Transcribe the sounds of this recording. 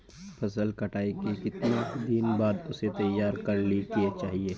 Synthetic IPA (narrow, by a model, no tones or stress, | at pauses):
pʰɐsəlkɐʈʰaːikekɪt̪nad̪ɪnbaːd̪ʊset̪ɐjːaːɾkɐɾlikiet͡ʃaːɦieː